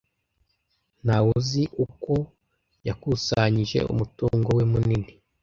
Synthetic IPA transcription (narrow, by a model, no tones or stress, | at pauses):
nawuziʔuko̞ | jakusaɲiʒe̞̰ṵmutuːŋɡo̞wemunini